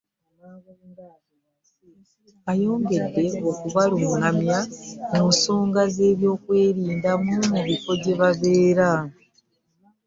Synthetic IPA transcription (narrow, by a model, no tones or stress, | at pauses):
ajo̞ːŋɡe̞dːe̞okuβalumuŋamjamuːnso̞ːŋɡaze̞ːβjo̞ːkwe̞ːɾiːndamumuβifo̞ɟe̞βaβe̞ːɾa